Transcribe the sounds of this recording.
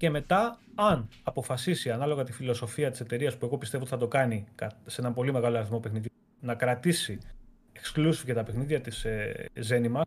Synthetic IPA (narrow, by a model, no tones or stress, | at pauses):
ce̞me̞t̪ɐːnɐpo̞fɐsisiɐnɐlo̞ɣɐt̪ifilo̞so̞fiɐt̪i̥se̞t̪e̞ɾiɐspue̞ɣo̞pist̪eot̪iθɐt̪okɐnikɐse̞nɐmpo̞lime̞ɣɐloɐɾiθmo̞pexniðʝo | nɐkɾɐt̪isi | eksklusi̥fcet̪ɐpe̞xniðʝɐt̪iseze̞nimɐ